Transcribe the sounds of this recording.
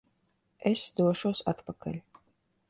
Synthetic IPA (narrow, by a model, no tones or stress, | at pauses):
ɛsʲd̪uɔʃowsa̰t̪pakɐ̰lʲ